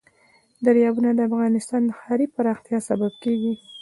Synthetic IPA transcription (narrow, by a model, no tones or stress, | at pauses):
d̪aɾjɑbunad̪əafɣɑnɪst̪ɑnd̪əxɑɾipaɾɑxt̪jɑsababkeɡi